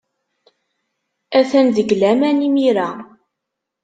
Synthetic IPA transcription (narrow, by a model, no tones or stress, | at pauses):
æθænðəɡlæmænimiɾa